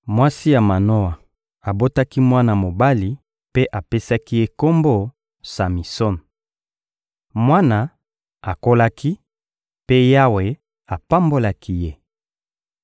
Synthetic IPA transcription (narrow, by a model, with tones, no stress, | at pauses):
mwa˦si˦ja˨ma˨no˦a˨ | a˨bo˦ta˦ki˦mwa˦na˨mo˨ba˦li˨ | pe˦ʔa˨pe˦sa˦ki˦je˦ko˦mbo˦ | sa˨mi˨sɔ˦n˨ | mwa˦na˨ | a˨ko˦la˦ki˦ | pe˦ja˦we˨ | a˨pa˦mbo˦la˦kʰi˦je˦